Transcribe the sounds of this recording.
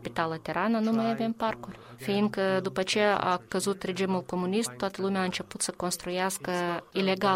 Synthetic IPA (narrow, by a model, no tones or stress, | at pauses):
kpʲɪt̪alˠɐt̪ʲeɾananumɐjamʲemparkʊrʲfʲejinkəd̪upɐt͡ʃea̰kɐzut̪ɾʲed͡ʒʲimʊlˠkomʊnʲist̪̚t̪ːoat̪əlˠumʲaːɨnt͡ʃʲɛput̪səkonst̪ɾʊjæskəilʲeɡa